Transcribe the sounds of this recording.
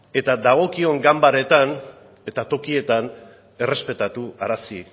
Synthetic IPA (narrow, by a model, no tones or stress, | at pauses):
e̞t̪ad̪aɣ̞o̞kio̞ŋɡambaɾe̞t̪an | e̞t̪at̪o̞kie̞t̪an | e̞re̞spe̞t̪at̪uaɾasi